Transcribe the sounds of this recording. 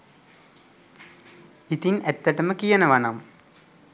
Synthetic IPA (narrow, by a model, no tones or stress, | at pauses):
it̪inɛt̪ːɐʈəməkijɐnəʋanam